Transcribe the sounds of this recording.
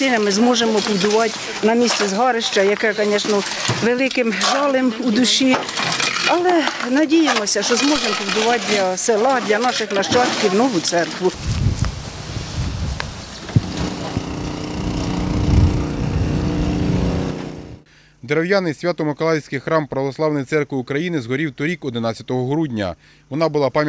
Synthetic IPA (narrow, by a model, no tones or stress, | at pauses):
ɪnɐmɪzmɔʒemɔpʊwd̪ʊʋɑtʲ | nɐmʲisʲt͡sʲɛzɦɑɾɪʃt͡ʃɐjɐkɛkɐnʲɛʃnɔ | ʋelˠɪkɪmʒɑlˠɪmud̪ʊʃi | ɐlˠɛnɐdʲijemɔsʲɐʃt͡ʃɔzmɔʒempɔwd̪ʊʋɑt̚ʲd̪ʲlʲɐselˠɑd̪ʲlʲɐnɑʃɪxnɐʃt͡ʃɑt̪kʲiwnɔʋʊt̪sɛrkʋʊ | d̪ɾɐwjanɪjsʲʋʲat̪ɔmɪkɔlˠɑjsʲkɪjxɾɑmpɾɐʋɔslˠɑwnɪjt̪sɛrkʋɪukɾɐjinɪzɦɔɾʲiwt̪ɔɾʲikɔd̪ɪnɑt͡sʲjɐt̪ɔɦɔɦɾudʲnʲɐ̰ | ʋɔnɑbʊlˠɑpɑmʲ